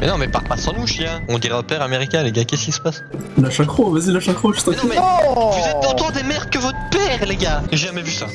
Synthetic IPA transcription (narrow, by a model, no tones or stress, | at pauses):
mɛnɔ̃mɛpaʁpasɑ̃nuʃiaɔ̃d̪iʁaopɛʁameʁikʲɛ̃leɡakʲɛskʲisə̥pas | laʃakχovazilaʃakχoʒ̥t̪ãkmɛvuzɛt̪̚ːɔ̃t̪ɑ̃d̪emɛʁ̚kəvɔt̪χəpɛːʁleɡaeʒeʒamɛvysa